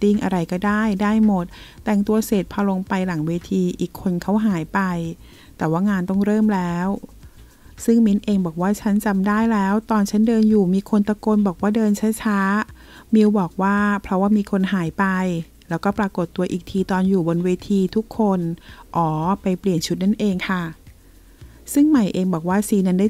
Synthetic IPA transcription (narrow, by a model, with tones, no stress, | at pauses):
t̪i˧˩ŋʔa˧ɾa˧jkɔː˥˩daː˥˩jdaː˥˩jmo˨˩t̪̚ːɛ˨˩ŋt̪u˧ɐseː˨˩t̪̚pʰɔː˧lo˧ŋpa˧jla˩˦ŋweː˧t̪ʰiː˧ʔiː˨˩kʰːo˧nkʰa˦˥wɦaː˩˦jpa˧j | t̪ɛː˨˩waː˥˩ŋaː˧nt̪ɔ˥˩ŋɾɤː˥˩mlɛː˦˥w | sɯ˥˩ŋmi˦˥nʔeː˧ŋbɔː˨˩k̚waː˥˩t͡ɕʰa˦˥nt͡ɕa˧mdaː˥˩jlɛː˦˥wt̪ɔː˧nt͡ɕʰa˦˥ndɤː˧njuː˨˩miː˧kʰo˧nt̪a˧ko˧nbɔː˨˩k̚waː˥˩dɤː˧nt͡ɕʰa˦˥t͡ɕʰa˦˥ | mi˧wbɔː˨˩k̚waː˥˩pʰɾɔ˦˥waː˥˩miː˧kʰo˧nɦaː˩˦jpa˧j | lɛː˦˥wkɔː˥˩pɾa˧ko˨˩t̪ːu˧ɐʔiː˨˩k̚t̪ʰiː˧t̪ɔː˧njuː˨˩bo˧nweː˧t̪ʰiː˧t̪ʰu˦˥kʰːo˧nʔɔː˩˦pa˧jpli˨˩ənt͡ɕʰu˦˥t̪̚na˥˩nʔeː˧ŋkʰa˥˩ | sɯ˥˩ŋma˨˩jʔeː˧ŋbɔː˨˩k̚waː˥˩siː˧˦na˧˥ndaː˥˩